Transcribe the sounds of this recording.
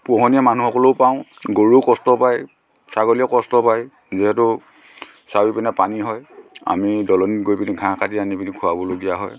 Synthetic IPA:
pɔɦɔnijamanuɦɔkɔloʊpaʊ̃ɡoɹukɔstɔpaj | saɡɔlijɔkɔstɔpaj | ziɦɛtʊ | sawipɛnɛpaniɦɔja̰midɔlɔnitɡojpiniɡʱãkatianipinikʰʊabɔloɡijaɦɔj

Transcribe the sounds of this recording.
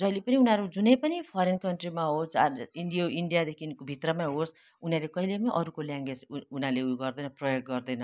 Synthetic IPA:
d͡zʌilepʌniunɦaɾud͡zunʌjpʌnipʰʌɾenkʌɳʈrimaɦosinɖijoiɳɖijad̪ekʰinkobʱit̪rʌmaɦos | unalekʌɦilemaʔʌɾukoljaŋɡed͡zunaleuɡʌrd̪ʌjnʌprʌjoɡ̚ɡʌrd̪ʌjnʌ

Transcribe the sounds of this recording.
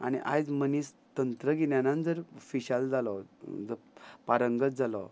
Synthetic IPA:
a̰ñḭʔa̰jd͡zməniːs | t̪ənt̪ɾəɡenjanãnd͡zəɾfiɕald͡zalɔd͡zəpaɾəŋɡət͡s̚d͡zalɔ̰

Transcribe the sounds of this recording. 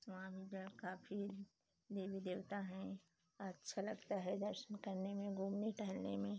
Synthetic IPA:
soʋãbʱid͡ʒkaːfi | d̪ebid̪eːʋt̪aɦɛ̃ | ɐtːʃʰalɐɡt̪aɦɛd̪ɐɾʃənkɐɾnemẽɡuːmniʈəɦlnemẽ

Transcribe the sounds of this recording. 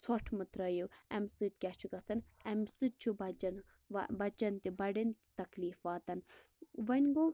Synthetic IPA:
t͡sʰɔʈʰmɨt̪ɾɐjuɛmsɨt̪̚ʲkʲat͡ʃʰuɡɐt͡sɐnɛmsɨt̪̚t͡ʃʰubɐt͡ʃɐn | ʋbɐt͡ʃɐnt̪ibɐɽint̪t̪ɐkliːfʋaːt̪ɐn | ʋɐnʲɡo

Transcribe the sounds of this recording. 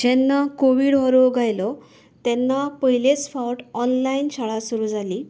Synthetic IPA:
d͡ʑɛnːakoʋiːɽɦɔɾoɡʱajlɔ | t̪ɛnːapəɦilet͡sfawʈɔnlainɕʰaɭasuɾuːd͡zʱali

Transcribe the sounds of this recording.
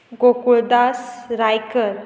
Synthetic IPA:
ɡokuɭd̪asɾajkəɾ

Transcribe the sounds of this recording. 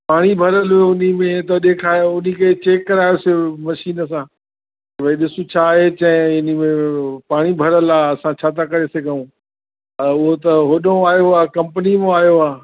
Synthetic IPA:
paːɽ̃ibʱɐɾəloʊnimẽt̪ɐɗeːkʰaːjoʊniket͡ɕeːkːɐɾaːjosemɐʃiːnəs̬ãː | t̪ɐbʱɐiɗɪsũt͡ɕʰaːɦet͡ɕɐ̃ɦɪ̃ɪnimẽpaːɽ̃ibʱɐɾəlaːɐsãt͡ɕʰaːt̪ʰakɐɾesɐɡʱəũ | ʊɦot̪ɐɦoɗõaːjoaːkɐ̃mpənimẽaːjoaː

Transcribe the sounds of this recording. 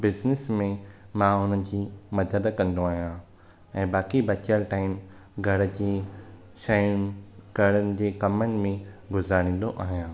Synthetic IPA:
bɪznɪsmẽmãʊn̤ənd͡ʑiːmɐd̪əd̪kɐ̃nd̪oaːɦijã | ɛ̃ːbaːkibɐt͡ɕəlʈaːɪm | ɡʱɐɽd͡ʑeː | ʃajʊnɡʱɐɽənɪ̆d͡ʑeːkɐmənɪ̆mẽɡʊzaːɾ̃ĩːn̆d̪oʔaːɦijãː

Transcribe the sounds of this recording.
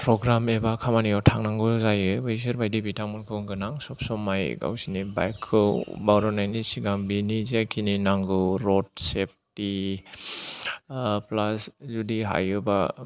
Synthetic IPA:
pɾɔɡɾamebakʰamaniɔwtʰaŋnaŋɡɯzajɯbɯis̬ɯɾbajdibitamɔnkʰɯŋɡɯnaŋsɔp̚sɔmajɡa̰wsiniba̰jkʰːɯwbawɾɔnajnisiɡaŋbinizakʰininaŋɡɯwɾɔt̚sep̚ʰti | plaszudiɦa̰jɯba

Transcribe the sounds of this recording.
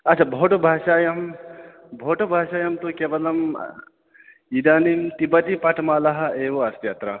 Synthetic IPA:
ɐt͡ʃʰabʱoːʈobʱaːʃaːjɐm | bʱoːʈɐbʱaːʃaːjɐmt̪ukeːʋɐlɐm | id̪aːnimt̪ibɐt̪ipɐʈʰmaːlɐɦɐʔeːʋoɐst̪jaːt̪ɾɐ

